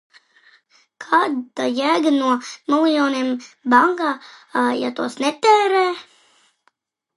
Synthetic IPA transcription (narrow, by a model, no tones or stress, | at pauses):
kʰaːd̪ajæɡənuɔmilˠjɔːniɛmbaŋɡaːja̰t̪uɔsnɛt̪ɛːɾɛː